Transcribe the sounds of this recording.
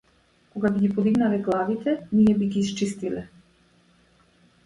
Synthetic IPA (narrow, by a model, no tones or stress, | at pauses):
kɔɡabiɡipɔd̪iɡnalɛɡlˠavit̪ʰɛnijɛbiɡiːst͡ʃist̪ilɛ